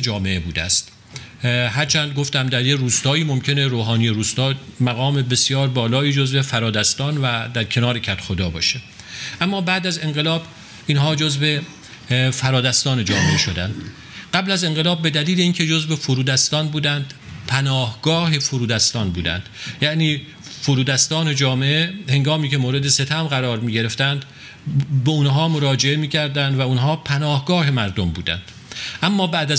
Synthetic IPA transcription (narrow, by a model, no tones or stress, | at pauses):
d͡ʒɒːme̞ʔebuːd̪æ̰st̪ | ɦæɾt͡ʃʰænd̪̚ɡo̞ft̪æmd̪æɾjeruːst̪ɒːiːmomcʲʰe̞ne̞ɾoːɦɒːnijeɾuːst̪ɒːmæɣɒːme̞be̞sjɒːɾbɒːlɒːiːd͡ʒozve̞fæɾɒːd̪æst̪ɒːnvæd̪æɾcʰe̞nɒːɾecʲʰæt̪xod̪ɒːbɒ̰ːʃe | ʔæmːɒːbæːd̪æze̞ŋɢelɒːb | iːnɦɒːd͡ʒozbe̞ | fæɾɒːd̪æst̪ɒːne̞d͡ʒɒːmeʔeʃo̞d̪ænd̪ | ɢæblæze̞ŋɢelɒːb̚ːe̞d̪æliːle̞iːncʲʰe̞d͡ʒozbefoɾuːd̪æst̪ɒːnbuːd̪ænd̪̥pʰænɒːhɡ̥ɒːɦefoɾuːd̪æst̪ɒːnbuːd̪æ̰nd̪̥jæʔniː | foɾuːd̪æst̪ɒːne̞d͡ʒɒːmeʔehe̞ŋɡɒːmiːcʰe̞moːɾed̪e̞se̞t̪ʰæmɢæɾɒːɾmiːɟe̞ɾe̞ft̪ænd̪ | beunɦɒːmoɾɒːd͡ʒe̞e̞miːcʰæɾd̪ænd̪væunɦɒːpʰænɒːhɡɒːɦe̞mæɾd̪ombṵːd̪æ̰nd̪̥ | ʔæmːɒːbæʔd̪æz